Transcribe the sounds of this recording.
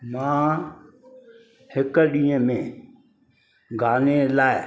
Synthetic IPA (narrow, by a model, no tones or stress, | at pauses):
mãː | hɪkəɗĩːə̃mẽ | ɡʱaːnelaːɪ